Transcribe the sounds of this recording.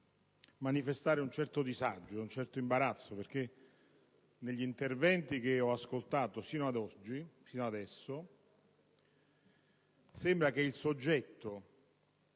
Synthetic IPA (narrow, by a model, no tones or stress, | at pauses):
manifest̪aːɾeunt͡ʃɛrt̪od̪izad͡ʒːount͡ʃɛrt̪oimbaɾat̪sːoperk̟e | neʎːint̪ervɛnt̪ik̟eɔaskolt̪aːt̪osiːnoad̪ɔd͡ʒːisiːnoad̪ɛsːo | sembɾak̟eilsod͡ʒːɛt̪ːo